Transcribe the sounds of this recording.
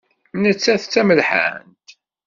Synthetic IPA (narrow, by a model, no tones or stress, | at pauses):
nət͡sːæθt͡sːæməlħa̰nt̪